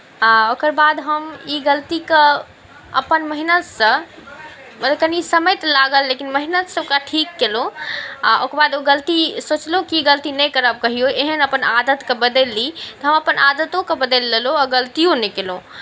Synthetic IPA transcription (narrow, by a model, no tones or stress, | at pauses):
ãokəɾbad̪ɦəmiɡəlt̪ike | ə̰pənməɦinət̪sə̃ | məd̪ekənisəməjt̪laɡəlːekinməɦinət̪səokaʈʰikːelõaʔokəɾbad̪oɡəlt̪isot͡ʃlɦũkiiɡəlt̪inɛkəɾəb̚kəɦijoeɦənəpənad̪ət̪kebəd̪əlːit̪ɔɦəməpənʔad̪ət̪õkebəd̪əlːeloɔɡəlt̪ijõnɛkelõ